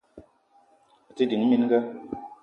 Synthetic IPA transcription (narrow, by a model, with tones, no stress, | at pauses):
a˨ti˦di˨˦ŋ˦mi˦n˦ɡə˦